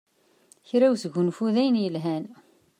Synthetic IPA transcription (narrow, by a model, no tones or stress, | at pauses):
çɾæwsəʝunfuðæjənjəlɦæn